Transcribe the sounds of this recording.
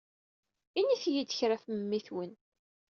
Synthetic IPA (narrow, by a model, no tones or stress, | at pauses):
inːiθjid̪əçɾafməmːiθwən